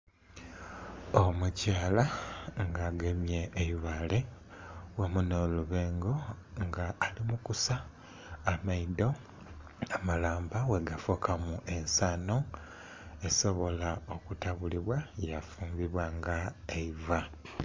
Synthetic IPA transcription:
o̞mucaːlaŋɡaːɡemje̞ːjiβale̞ | wemuno̞ːluβeːŋɡo̞ | ŋɡaːlimukusaː | maido̞ | amalaːmbawe̞ɡafokamuʔe̞nsano̞ | e̞so̞βo̞lao̞kutaβuliβwajafuːmbiβwaŋɡaeiva

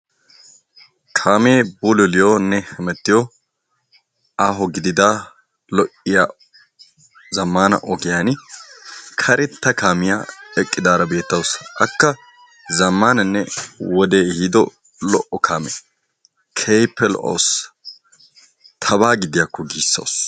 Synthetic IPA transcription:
kʰaːmeːbʊlʊlɪjoːnːɛhɛmɛt̪ːɪjɔ | aːɦɔɡɪd̪ɪd̪aː | lɔʔɪjaː | zɐmːaːnɐ̰ʔɔɡɪjanɪ | kʰɐɾʔɪt̪ːɐkaːmɪja̰ːɛkʼːɪd̪aːɾɐbe̞ːt̪ːɐwsʔɐkːɐ | zɐmːaːnɐnːɛwɔd̪eːhiːd̪ɔ̰ | lɔʔɔkʰaːmḛ | kʰejpːɛlɔ̰ʔɐ̰ws | t̪ʰɐbaːɡɪd̪ɪjakːɔɡiːsːɐ̰ws

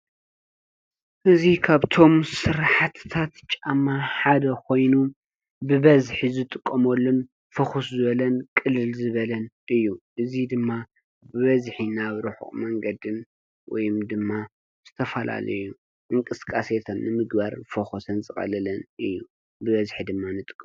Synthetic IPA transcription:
ʔɨzikʰaβt̪ʰo̞msɨɾħat̪ʰt̪ʰat̪t͡ʃʼamaħad̪ɐkʰo̞jnu | bɨβɐzħizɨt̪ʼɨkʼːɐmolːun | fɐxuszɨβɐlɐnkʼɨlːɨlzɨβɐlɐn | ɨjːuʔɨzid̪ɨmːa | bɨβɐzħinaβɾɨħṵχʼmɐŋɡɐd̪ɨn | wɔ̰jmd̪ɨmːa | z̥ɨt̪ʰɐfɐla̰lɐ̰jːu | ʔɨŋkʼɨskʼaset̪ʰɐnnɨmɨɡbaɾfoxosɐnzɨxʼɐ̰lɐlɐnʔɨjːu | bɨβɐzħid̪ɨmːanɨt̪ʼɨ̥kʼː

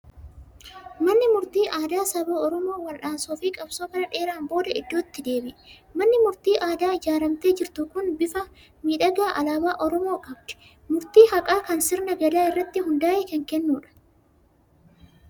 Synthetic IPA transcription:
mɐnːɪmʊɾt̪iːʔaːd̪aːsɐboːɔɾɔmo̞ːwɐlᶑaːnsoːfiːkʼɐbsoːkɐɾɐᶑe̞ːɾaːmbo̞ːd̪ɐɪd̪ːo̞ːt̪ːɪd̪e̞ːbɪʔ | mɐnːɪmʊɾt̪iːʔaːd̪aːɪd͡ʒaːɾɐmt̪e̞ːd͡ʒɪɾt̪ʊkʊnbɪfɐ | miːᶑɐɡaːʔɐlaːbaːʔɔɾɔmo̞ːkʼɐb̚d̪̥ɪ̥ | mʊɾt̪iːhɐkʼaːkɐnsɪɾnɐɡɐlaːɪrːɐt̪ːɪɦʊnd̪aːʔeːkɐŋkɛnːuːᶑɐ̥

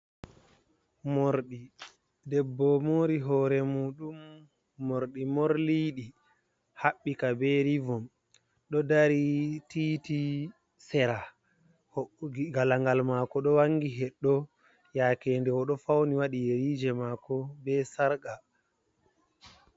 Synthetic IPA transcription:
moɾɗi | dɛbːɔmoːɾiɦɔːɾɛmuːɗumː | oɾɗimɔɾliːɗi | haɓːikabɛɾivɔm | ɗɔdaɾititi | sɛɾa | ɡalaŋɡalmakɔɗɔwaŋːɡiɦɛɗːɔ | jakɛːndɛɔɗɔfawniwaɗijeɾiːd͡ʒɛmakɔbɛsaɾɡa

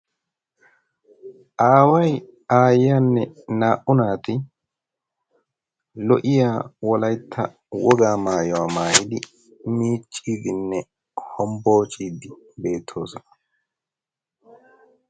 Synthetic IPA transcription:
ʔaːwɐj | aːjjaːnːɛnaːʔʊnaːt̪ɪ | lɔʔɪjaːwɔlɐjt̪ʰːɐ | wɔɡaːmaːjɔwaːmaːjɪd̪ɪ | miːt͡ʃʼːiːd̪ɪnːɛ | hɔmbo̞ːt͡ʃʼiːd̪ɪbe̞ːt̪ʰːo̞ːsɔnɐ

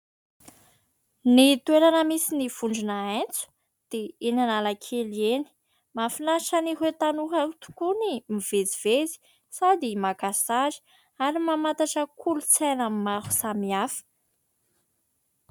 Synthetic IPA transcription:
nit̪ueɾanəmisiniv̥uɳɖ͡ʐunaent͡su̥ | d̪̥einanalakʰelieni̥ | mafinaʃəniɦet̪anukaut̪u̥kunimiv̥ed͡ziv̥ezi̥ | sad̪imakasaʒi̥ | aɾimamat̪aʈ͡ʂəkʰulut͡sanəmmaɾu̥samiafə̥

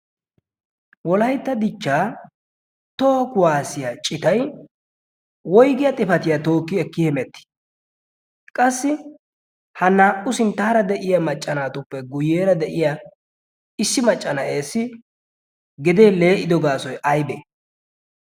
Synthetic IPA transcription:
wɔlɐjt̪ːɐd̪ɪt͡ʃːaː | t̪oːkʊwaːsɪjat͡ʃʼɪt̪ɐj | wɔjɡɪjɐt̪ʼɪfɐt̪ɪjat̪o̞ːkːɪɛkːɪhɛmɛt̪ːɪ̥ | kʼɐsːɪ | hɐnːaːʔʊsɪnt̪ːaːɾɐd̪ɛʔɪjɐmɐt͡ʃʼːɐnaːt̪ʊpːɛɡʊjːeːɾɐd̪ɛʔɪja | ɪsːɪmɐt͡ʃʼːɐnɐʔeːsːɪ | ɡɪd̪eːle̞ːʔɪd̪ɔɡaːsɔjʔɐjbeː

